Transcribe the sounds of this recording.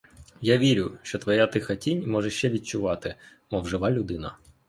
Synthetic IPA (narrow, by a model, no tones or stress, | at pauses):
jaʋʲiɾʲʊʃt͡ʃɔt̪ʋɔjat̪ɪxɐtʲinʲmɔʒɛʃt͡ʃɛʋʲid̪̚t͡ʃʊʋɑt̪ɪ | mɔwʒɪʋɑlʲʊd̪ɪnɐ